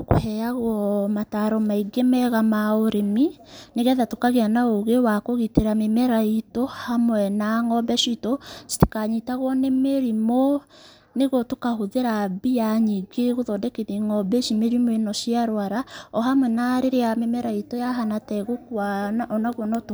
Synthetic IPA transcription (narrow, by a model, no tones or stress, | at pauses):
ko̰hɛaɣɔmataɾɔmaiɡemɛɣamaoɾemi | neɣɛðatokaɣeanaoɣewakoɣiteɾamemɛɾaitohamwɛnaŋɔbɛʃitɔste̥kaɲitaɣwɔnemeɾimo | neɣotokahoðeɾabijaɲiɡeɣoðɔdɛkeniŋɔbɛʃimeɾimoenɔʃiaɾwaɾaɔɦamwɛnaɾeɾeamemɛɾaitɔjaɦanatɛɣokwanaʔɔnaɣwɔnɔt